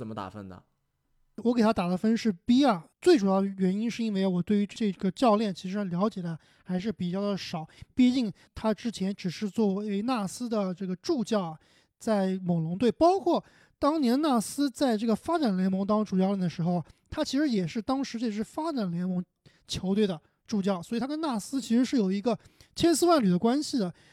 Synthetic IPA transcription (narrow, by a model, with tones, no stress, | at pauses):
ə˨˩mə˦t̪a̰˨˩fə̰˥nnə̰˨˩ | wɔ˧˥k̬e˨˩ɪa˥t̪a˨˩d̪ə˦fə˥nʂɻ̩˥˩pi˥ɐ˨t͡swe˥˩ɪʈ͡ʂu˨˩jɑ˥˩d̪ə˩ɥɛ˧˥ni˥nʂɻ̩˥˩i˥nwe˥˩ɪ˧wɔ˨˩t̪we˥˩ɪy˧˥ʈ͡ʂʈ͡ʂɤ˥˩ɡ̥ə˩t͡ɕjɑ˥˧ʊljɛ˥˩nt͡ɕʰi˧˥ʂɻ̩˧˥˧ljɑ˧˥ʊt͡ɕjɛ˨˩d̪ə˦ | xa˧˥ɪʂ̬ɻ̩˥˩pi˨˩t͡ɕjɑ˥˩ʊd̪ə˩ʂɑ˨˩˦ʊpi˥˧t͡ɕi˥˩ŋ | t̪ʰa˥ʈ͡ʂɻ̩˥t͡ɕʰjɛ˧˥nʈ͡ʂɻ̩˨˩ʂɻ̩˥˧t͡swɔ˥˩e˧˥ɪna˥˩sɹ̩˥d̪ə˨ʈ͡ʂɤ˥˩ɡə˩ʈ͡ʂu˥˧t͡ɕjɑ˥˩ʊ˩ | t͡sa˥˩ɪmo˨˩lʊ˧˥ŋt̪we˥˩ɪpɑ˥ʊkʰwɔ˥˩ | t̪ɑ˥ŋnjɛ˧˥nna˥˩sɹ̩˥t͡sa˥˧ɪʈ͡ʂɤ˥˩ɡə˩fa˥ʈ͡ʂa˨˩nljɛ˧˥nmɤ˧˥ŋt̪ɑ˥ʈ͡ʂu˨˩t͡ɕjlɛ˥˩d̪ə˩ʂɻ̩˧˥xo˥˧ʊ˩t̪ʰa˥t͡ɕʰi˧˥ʂɻ̩˧˥jɛ˨˩ʂɻ̩˥˩t̪ɑ˥ŋʂɻ̩˧˥t͡ɕe˥˧˩ʂ̬ɻ̩˥˩fa˥ʈ͡ʂa˨˩nljɛ˧˥nmɤ˧˥ŋ | t͡ɕʰjo˧˥ʊt̪we˥˩ɪd̪ə˩ | ʈ͡ʂu˥˧t͡ɕjɑ˥˩ʊswɔ˧˥˨t̪ʰa˥kə˥na˥˩sɹ̩˥t͡ɕʰi˧˥ʂɻ̩˧˥ʂɻ̩˥˩jo˨˩ʊi˧˥ɡə˧t͡ɕʰjɛ˥nsɹ̩˥wa˥˩nly˨˩d̪ə˦˥kwa˥nɕi˨˩d̪ə˩